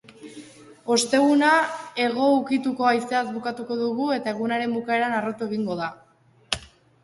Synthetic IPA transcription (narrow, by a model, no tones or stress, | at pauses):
o̞st̪e̞ɣunae̞ɣ̞o̞ukit̪uko̞ajseazbukat̪uko̞ðuɣue̞t̪ae̞ɣ̞unaɾe̞mbukae̞ɾanarot̪ue̞ɣ̞iŋɡo̞ð̞a